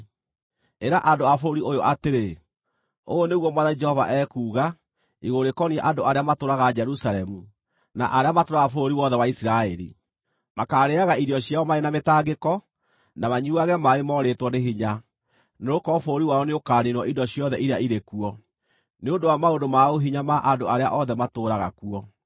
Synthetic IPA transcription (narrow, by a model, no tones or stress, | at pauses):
eɾaʔandoafooɾiojoʔateɾe | o̰oneɣwɔmwaðaid͡ʒɛhɔva̰ʔɛkuːɣa | iɣoɾekɔniɛʔandoaɾeamatoɾaɣad͡ʒɛɾusaɾɛmu | na̰ʔaɾeamatoɾaɣafooɾiwɔðɛwaisiɾaɛɾḭ | makaːɾeaɣaiɾiɔɕjaɔmaenametaːɡekɔ | namaɲuaɣɛmaemɔɾetwɔneɦiɲa | neɾokɔfoɾiwaɔneokaːniɾwɔʔidɔɕjɔðɛʔiɾeaiɾekuɔ | neondowamaondomaoɦiɲamaʔadoaɾeaʔɔðɛmatoːɾaɣa̰kuɔ